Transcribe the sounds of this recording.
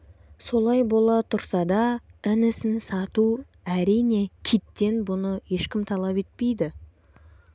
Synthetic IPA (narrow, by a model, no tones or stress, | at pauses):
so̞lˠɑjbo̞lˠɑt̪ʰʊɾsɑd̪ɑɪnɪsɪnsɑt̪u | æɾijne̞kʲʰit̪ːe̞nbʊnəje̞ʃkʲɪmt̪ʰɑlˠɑpe̞t̪̚pe̞jd̪ɪ